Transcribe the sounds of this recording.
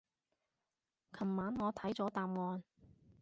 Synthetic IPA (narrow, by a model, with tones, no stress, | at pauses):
kʰɐ˨˩mːaː˨˥nŋɔː˨˧t̪ʰɐ˨˥jt͡sɔː˨˥t̪aː˨mŋɔː˨˧n